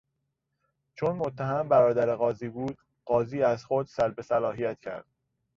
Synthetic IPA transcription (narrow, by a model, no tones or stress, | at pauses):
t͡ʃʰonmot̪ʰːæɦæmbæɾɒːd̪æɾeɣɒːziːbuːd̪̥ | ɢɒːziːæzxod̪sælbe̞sælɒːɦijæt̪cʰæ̰ɾd̪̥